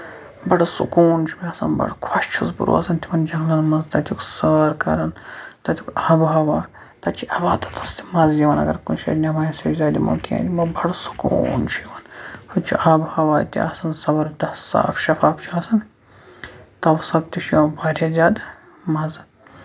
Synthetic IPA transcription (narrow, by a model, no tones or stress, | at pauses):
bɐɽɐsṵkuːnt͡ʃʰubʲiɐːsɐ̰nbɐ̰ɽkʰwɐʃt͡ʃʰuzbṵɾṵːɐsɐnt̪ʲʰimɐnd͡ʒɐŋlɐnmɐzt̪ɐt̪ʰʲuksɐɐɾkɐ̰ɾɐnt̪ɐt̪ʰʲikaːbɦaːʋaː | t̪ɐt͡ʃʰiʔɐʋaːt̪ɐ̥t̪ʰɐst̪ʰi̥mɐzjiʋɐnɐ̰ɡɐɾkunʃɐ̰ɾnʲɐmaːjisezʲaːd̪ʲḭmɐ̰kia̰ːnd̪ʲimɐbʱɐɽsu̥kṵːnt͡ʃʰuiʋɐnhut͡ʃʰṵʔaːbhaːʋaːt̪ʲḭa̰ːsɐnsɐbɐɾd̪ɐssːa̰ːfʃɐfaːft͡ʃʰiaːsɐn | t̪ɐwsɐb̚t̪iʃʰiʋɐnbaːɾʲɐzʲaːd̪ | mɐz